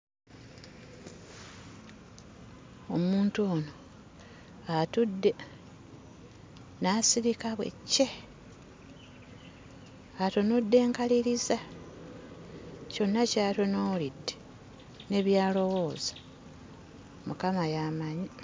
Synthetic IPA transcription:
omuːntuoːno | atudːe̞ | nasiɾikaβwe̞̰cːe | atonodːe̞ːŋkaliɾiza | co̞nːacaːtonoːlidːe | ne̞βjaːlo̞wo̞ːzḁ | mukamajamaɲi

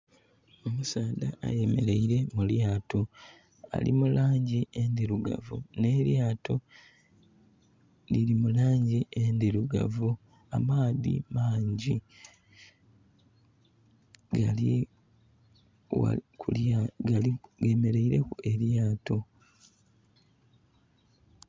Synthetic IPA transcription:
o̞musaːd̪aʔa̰jeme̞ɾe̞iɾe̞muljaːto̞ | a̰lḭmulaːɲɟiʔend̪iɾuɡa̰vṵne̞ːɾjaːtʰo̞ | liɾimulaːɲɟiʔend̪iɾuɡa̰vu | a̰maːðḭmaːɲɟi | ɡa | kuaiɡe̞me̞ɾe̞iɾe̞kue̞ɾjaːto̞

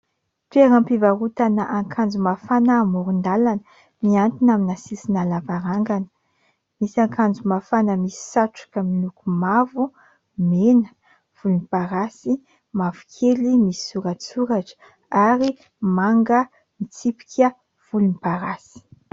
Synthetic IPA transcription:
t̪ueɾampivaɾut̪anəʔaŋkʰand͡zumafanəːmuɾund̪alanə | miant̪inaminasisinalavaɾaŋɡanə̥ | misaŋkand͡zumafanəmisi̥saʈ͡ʂu̥kəmilukumavu | menə | v̥ulunipaɾasi | mavukʰelimisi̥suɾat͡suɾaʈ͡ʂə̥ | aɾi | maŋɡə | mit͡sipi̥kʲʰə | v̥ulunipaɾasi̥

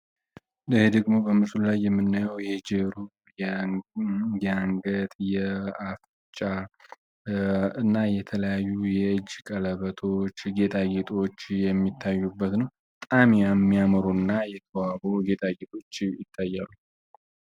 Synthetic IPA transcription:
d̪əhed̪əɡmo̞bəmɨslulajːɛmːɨnːajəwjɛd͡ʒeɾu | jɛaŋɡət̪ʼjɛaf | t͡ʃʼa | ɨnːajɛt̪ʰələjajːujɛɨd͡ʒːkʼələβət̪ʰo̞t͡ʃːɡe̞t̪ʼaɡet̪ʼo̞t͡ʃːjɛmːit̪ʰːajːubːət̪nəwbt̪ʼamjamːijaməɾonːajɛt̪ʰəwaboɡe̞t̪ʼaɡet̪ʼo̞t͡ʃːjɪt̪ʰːajːalːu

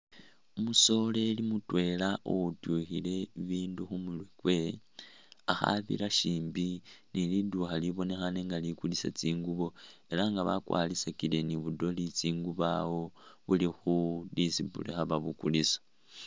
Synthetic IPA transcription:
umuso̞le̞limutwe̞laʔo̰utuxile̞βiːnduxumulwekwe | axa̰βḭlaʃiːmbiniliduxaliβo̞ne̞xaneŋɡalikulisa̰t͡siːŋɡuβo̞e̞laŋɡaβa̰kwa̰lisakile̞niβudo̞lit͡siːŋɡuβawo̞βulixudisibṵlexaβaβukulisḁ

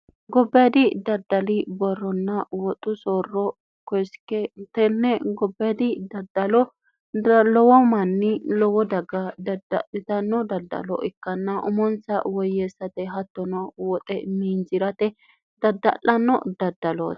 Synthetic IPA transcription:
ɡɔbːɐd̪ɪd̪ɐd̪ːɐlɪbɔrːɔnːɐwɔt̪ʼʊsoːrːɔ | kɔjskɛt̪ɛnːɛɡɔbːd̪ɪd̪ɐd̪ɐlɔ | lɔwɔmɐnːɪlɔwɔd̪ɐɡːɐd̪ɐd̪ɐ̰ɪt̪ɐnːɔd̪ɐd̪ɐ̰lɔ̰ʔɪkːɐnːɐʔʊmɔnt͡sɐwɔjːeːsːɐt̪ɛɦɐt̪ːɔnɔwɔt̪ʼɛmiːnd͡ʒɪɾɐt̪ɛ | d̪̥ɐd̪ɐ̰lːɐnːɔ̰d̪ɐd̪ːɐlo̰ː

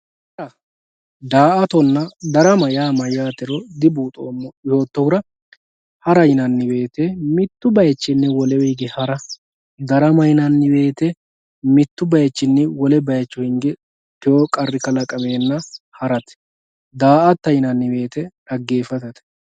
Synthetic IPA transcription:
hɐɾɐ | d̪aːʔɐt̪ɔnːɐd̪ɐɾɐmɐjaːmɐjːaːt̪ɛɾɔd̪ɪbuːt̪ʼoːmːɔɪhoːt̪ːɔhʊɾɐ | hɐɾɐjɪnɐnːɪbe̞ːt̪emɪt̪ːʊbɐjɛt͡ʃːɪnːɛwɔlɛwɛɡɛhɐɾɐ | d̪ɐɾɐmɐjɪnɐnːɪbe̞ːt̪ɛ | mɪt̪ːʊbɐjɛt͡ʃːɪnːɛwɔlɛbɐjɐt͡ʃːʊhɪŋɡɛ | kɪjokʼɐrːɪkɐlɐkʼɐmeːnːɐhɐɾɐt̪ɛ̥ | d̪aːʔɐt̪ːɐjɪnɐnːɪbe̞ːt̪ɛɐɡːe̞ːfɐt̪ɐt̪ɛ̥

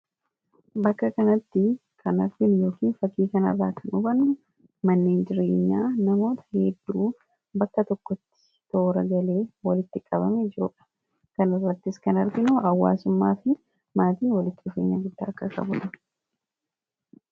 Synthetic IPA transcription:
bɐkːɐkɐnɐt̪ːɪ | kʰɐnɐɾɡɪnjo̞ːkiːnfɐkːiːkɐnɐ̰rːaːkʰɐnʔʊbɐnʊ | mɐnːeːnd͡ʒɪɾe̞̰ːɲːaːnɐmo̞ːt̪ɐ̥hɛd̪ːuː | bɐkːɐt̪ɔkːɔt̪ːɪ̥ | t̪o̞ːɾɐɡɐle̞ːwɐlɪt̪ːɪkʼɐbɐmɛd͡ʒɪɾʊᶑɐ̥ | kɐnɪrːɐt̪ːɪskɐnɐɾɡɪnuːʔɐwːa̰ːsʊmːaːfɪ | maːt̪iːnwɐlɪt̪ːɪʊfeːɲːa̰ːɡɪd̪ːa̰ːkːɐkɐ̰bʊᶑɐ

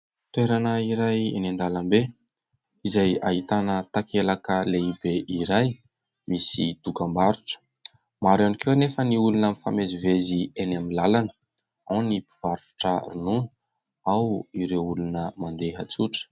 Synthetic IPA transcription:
t̪weɾanəiɾajḛnend̪alambe | izaja̰ɦit̪anət̪akelakəleibeʔiɾaj | misit̪ukambaɾuʈ͡ʂə̥ | maɾanikewnefəniulunəmifamezivezienamilalanə̥ | anipiv̥aɾuʈ͡ʂərununu | awiɾeulunəmand̪eɦat͡suʈ͡ʂə̥

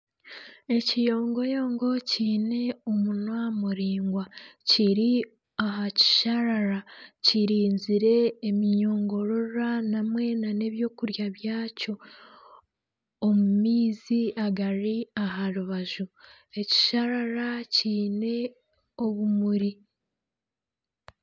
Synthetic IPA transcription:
e̞cijo̞ːŋɡo̞jo̞ːŋɡo̞ciːne̞omunwamuɾiːŋɡwaciɾi | aɦaci̥ʃaɾaɾaciɾiːnziɾe̞ːmiɲo̞ːŋɡo̞ɾo̞ɾanamwe̞nane̞βjo̞ːkuɾjaβjaːco̞ | mumiːziaɡaɾiaɦaɾuβaʒu | e̞ci̥ʃaɾaɾaciːne̞ | oβumuɾi

